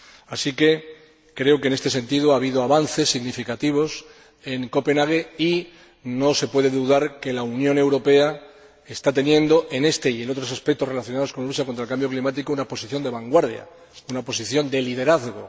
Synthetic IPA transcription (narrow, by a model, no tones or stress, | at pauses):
asike̞ | kɾe̞okene̞st̪e̞s̬ẽ̞nt̪iðoaβ̞iðoaβanθe̞sːiɣnifikat̪iβ̞o̞s | e̞ŋko̞pe̞naɣ̞ei | no̞se̞pwe̞ðe̞ðuðaɾke̞launjõ̞ne̞wɾo̞pe̞a | e̞st̪at̪e̞njẽ̞nd̪o̞ʔe̞ne̞st̪e̞ie̞no̞t̪ɾo̞saspek̚t̪ore̞laθjonaðosko̞nlus̬jakont̪ɾelkambjo̞klimat̪ikounapo̞siθjo̞nd̪e̞βaŋɡwaɾðja̰ | unapo̞siθjo̞nd̪e̞liðe̞ɾaθɣo̞